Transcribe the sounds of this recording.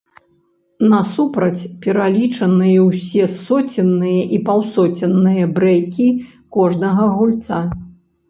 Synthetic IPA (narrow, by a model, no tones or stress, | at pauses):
nɐsupɾɐt͡sʲpʲɛɾalʲit͡ʂɐnɨjɐwsʲɛsɔt͡sʲinːɨjɐʔipawsɔt͡sʲɐnːɨjɐbɾɛjkʲi | kɔʐnɐɣɐɣulʲt̪sa